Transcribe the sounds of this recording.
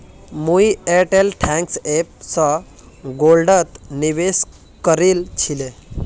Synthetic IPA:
mujeʈelʈʰɛ̃ŋksep̚sɔ | ɡolɖət̪niʋes | kəɾiːlt͡ɕʰile

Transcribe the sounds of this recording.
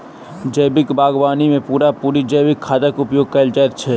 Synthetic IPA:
d͡ʒəːbɪkbaːɡbaːnimẽpuːɾapuːɾid͡ʒɐːbɪkʰːaːd̪əkʊpjoːɡ̚kɐld͡ʒaɛt̪̚t͡ʃʰɛ

